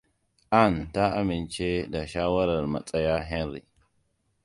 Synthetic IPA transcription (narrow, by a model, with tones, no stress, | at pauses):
ʔa˦˨nta˦a˨mi˨nt͡ʃe˦da˨ʃa˦wa˦ɾa˨ɾma̰˨t͡sʼa˦ja˦ɦe˦nɾḭ˨